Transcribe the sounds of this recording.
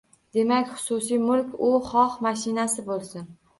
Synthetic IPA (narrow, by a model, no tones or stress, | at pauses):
d̪̥e̞makʲχʊ̥sʊsijmʊlkʲʰʊχɒχmaʃɪnasɪbolˠsɪn